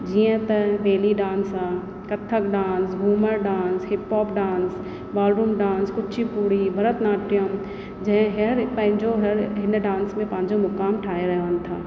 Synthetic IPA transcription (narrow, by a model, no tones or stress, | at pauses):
d͡ʒijə̃t̪ɐʋeːliɖaːnsaː | kɐt̪ʰːəkɖãːnsɡʱuːməɾɖãːnsɦɪpɔːpɖãːns | baːlɾuːmɖãːnskʊtːʃʰipuːɾibʱɐɾət̪naːʈjəm | d͡ʒɐɦɦeɾpɐ̃ɦɪ̃ɲd͡ʒoɦɐɾɦɪnɖãːnsmẽpãːɪ̃ɲd͡ʒomʊkaːmʈʰaːeɾɐɦeʋənt̪ʰa̰ː